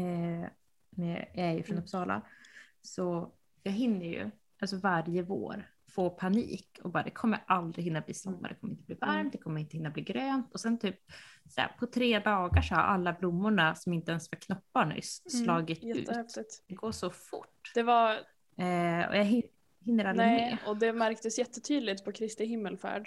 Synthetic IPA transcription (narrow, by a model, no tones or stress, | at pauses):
ɛ | nɛ̰jɑæɾjə̰fɾɔnɔpsɑːla̰sɔ | jɑːɡɦɪnːəɾjɵ̰ | ʔalsɔvaɾjəvo̰ːɾ | foːpʰanḭːkɔbɑːɾa̰d̪ɛkʰɔmːə̰ɾʔald̪ɾɪɦɪnːablḭːsamːad̪ɛkʰɔməɾɪnt̪əbliːvaɾmt̪d̪ɛkʰɔmːəɾɪnt̪əhɪnːabliːɡɾøːnt̪ɔsɛnt̪ʰyːp̚sɛ̰pʰɔt̪ʰɾeːd̪ɑːɡaʂɔa̰ɾʔa̰lːablʊmːʊɳasɔmɪnt̪əɛnsvaɾkʰnɔpːaɳʏ̰sslɑːɡɪt̪ɛʉ̟ːɛtfɪt̪d̪ɛɡoːʂɔfʊ̰ʈːd̪ɛva | ɔ̰jaɦɪ | hɪnːəɾalɪmeːɔd̪ɛmæɾk̚t̪əsjɛt̪ːət̪ʰyːd̪lɪt̪pʰɔkʰɾɪst̪ɪhɪmːəlfæ̰ːɖ